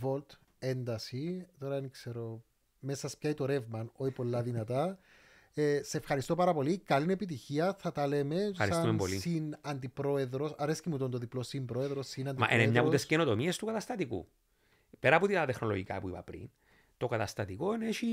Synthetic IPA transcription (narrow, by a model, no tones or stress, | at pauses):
vo̞lt̪ | e̞nd̪ɐsit̪o̞ɾɐenikseɾo | mesɐspçait̪oɾe̞vmɐno̞çipo̞lːɐðinɐt̪ɐ | eseːfxɐɾist̪o̞pɐɾɐpo̞likɐline̞pit̪̬içiɐθɐt̪ɐle̞me̞ɐɾiɐumempolisinɐnd̪ipɾo̞e̞ðɾo̞sɐɾescimut̪ont̪oðiplosimbɾo̞eðɾo̞sːinɐnd̪m̰ʔḛnemɲɐut̪esceno̞t̪o̞miest̪ukɐt̪ɐst̪ɐt̪ikṵ | peɾɐpot̪it̪ɐt̪exno̞lo̰ʝikɐ̰puḭpɐ̰pɾḭn | t̪o̞kɐt̪ɐst̪ɐt̪iko̞ineçi